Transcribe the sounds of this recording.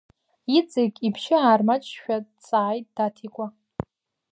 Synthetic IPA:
it͡sʼekʲʼipʰʃɪaːrmat͡ʃʼʃᶣat͡sʼaːjtʼd̥atʰikʷʼa

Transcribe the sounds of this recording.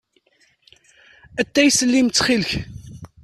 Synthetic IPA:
æt̪ːæjsəlːimt͡sːχilç

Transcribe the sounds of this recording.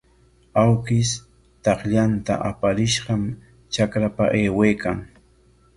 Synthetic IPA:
awkɪs | t̪ɑχʎant̪a̰ʔapaɾɪʃɢɑm | t͡ʃakɾapa̰ʔeːweːkaŋ

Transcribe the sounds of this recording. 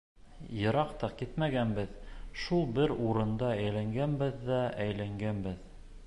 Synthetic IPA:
jɤ̆ɾɑqt̪ɑkit̪mæɡænbɘðʃulˠbɘɾuɾɤ̆nd̪ɑæjlæŋɡænbɘðːæʔæjlæŋɡænbɘð

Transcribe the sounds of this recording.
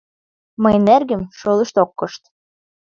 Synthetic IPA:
mɤjnerɣɘ̆mʃolˠɤ̆ʃt̪okːɤ̆ʃt̪

